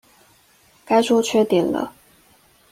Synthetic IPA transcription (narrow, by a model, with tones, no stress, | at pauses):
ka˥ɪʂʰɔ˥t͡ɕʰɥɛ˥t̪ɛ˨˩nlə̰˦